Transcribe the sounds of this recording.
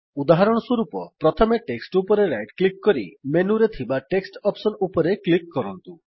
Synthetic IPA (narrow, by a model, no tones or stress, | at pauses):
ud̪aɦaɾɔɽ̃ɔswɔɾupɔpɾɔt̪ʰɔmeʈeksʈupɔɾeɾajʈklikːɔɾḭmenuɾet̪ʰibaʈeksʈɔpsɔnupɔɾeklikːɔɾɔnt̪u